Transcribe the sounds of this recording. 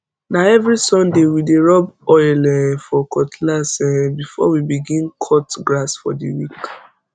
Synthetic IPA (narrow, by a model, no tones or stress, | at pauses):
naɛvɹisɔ̃ndewideɹɔbɔɪlɛfɔkʰɔtlasɛbifɔ̰wibiɡĩnkʰɔtɡɹasfɔdḭwik